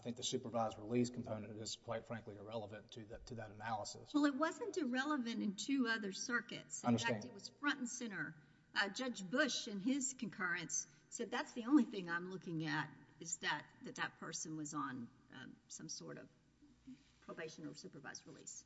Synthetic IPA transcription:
aɪθɪ̃ŋk̚ðɨsʉpə˞vaɪzɹɪliskʰm̩pʰõʊ̃nɨ̃ntɨz̥kʰw̥aɪtfɹæ̃ŋkliəɹɛlˠəvɨ̃ntʰɨðtʰɨðɨɾɨnælˠəsə̰swɛlˠət̚wʌzɨ̃ntɨɹɛlˠəvɨ̃ñtɨ̃ntʰʉʌðə˞sɜ˞kɨ̰tsʌ̃æ̃tɨt̚wʌz̥fɹʌ̃nʔn̩sɪ̃ñə˞ | ʔd͡ʒʌd͡ʒbʊʃɨ̃nɪz̥kʰɨ̃n̩kʰɜ˞ɨ̃nsː | ɛd̪̚ðætsðiõʊ̃nliθɪ̃ŋãɪ̃mlʊkɪ̃ŋɨɾɨzðɨt̪̚ðɨt̪̚ðɨt̚pʰɜ˞sɨ̃nwʌzn̩̰ | sʌ̃msɔɹɾʌ̰v̥ | pʰɹ̥oʊbeɪʃɨ̃nə̰sʉpə˞va̰ɪzɹilḭs

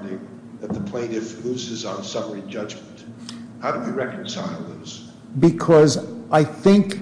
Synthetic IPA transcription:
dɪ̃ŋ | ðɨt̪̚ðəpʰl̥ẽɪɾɨfluzɨzn̩sʌmə˞id͡ʒʌd͡ʒmn̩thaʊɾɨwiɹɛkn̩sa̰ɪlˠðoz̥ | bɨkʰʌzʔaɪθɪ̃ŋk

